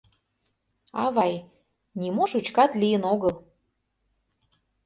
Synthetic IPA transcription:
ɑ̰βɑj | nʲimoʃut͡ɕkɑt̪lijənoɣəl

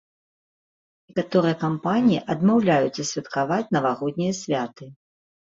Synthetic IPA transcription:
nʲikat̪ɔɾɨjɐkampanʲijiʔɐd̪mawlʲajut͡sʲɐsʲvʲɐt̪kavat͡sʲnɐvaɣɔd̪̚ʲnʲijɐsʲvʲat̪ɨ

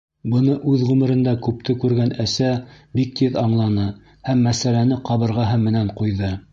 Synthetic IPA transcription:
bɤ̆nɤʔʉðʁʉmɘ̆ɾɘ̆nd̪ækʉp̚t̪ɘkʉɾɡænæsæbik̚t̪iðɑɴlˠɑnɤ | hæmːæsælænɘqɑβɤ̆ɾʁɑɦɤmmːɘ̆næɴqujðɤ

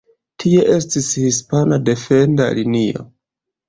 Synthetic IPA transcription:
tʰie̞ʔe̞stishispanade̞fe̞nda̰linio̰

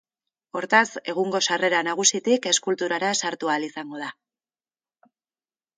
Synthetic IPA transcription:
o̞ɾt̪ase̞ɣ̞uŋɡo̞sare̞ɾanaɣ̞usit̪ike̞skult̪uɾaɾasaɾt̪ualisaŋɡo̞ð̞a

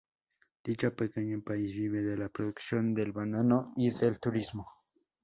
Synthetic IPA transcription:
d̪̥it͡ʃapekeɲapaisβiβeðelapɾoðuksjond̪elbananoiðelt̪uɾizmo

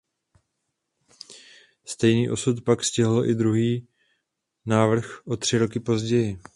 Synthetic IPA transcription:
st̪ɛjniːʔo̞sut̪pakscɪɦlʔɪ̰d̪ɾuɦiː | naːvr̩xʔo̞t̪r̝̥ɪɾo̞kɪpo̞zɟɛjɪ

